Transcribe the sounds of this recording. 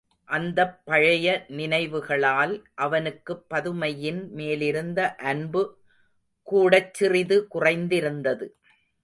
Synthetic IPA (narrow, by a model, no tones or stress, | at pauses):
ʔɐnd̪ɐpːɐɻɐjɐnɪnɐɪʋɯɣɐɭaːlʔɐʋɐnɯkːɯpːɐðɯmɐjɪnmeːlɪɾɯnd̪ɐʔɐnbɯ | kuːɽɐt͡ʃːɪrɪðɯkʊrɐɪnd̪ɪɾɯnd̪ɐðɯ